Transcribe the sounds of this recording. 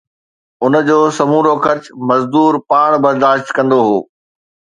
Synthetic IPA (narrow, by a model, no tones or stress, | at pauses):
ʊnəd͡ʑoːsɐmuːɾoxɐɾt͡ɕmɐzd̪uːɾpaːɽ̃bɐɾd̪aːʃt̪kɐ̃nd̪oɦoː